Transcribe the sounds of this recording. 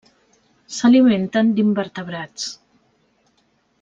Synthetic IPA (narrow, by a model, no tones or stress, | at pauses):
səliment̪ənd̪imbəɾt̪əβɾat͡s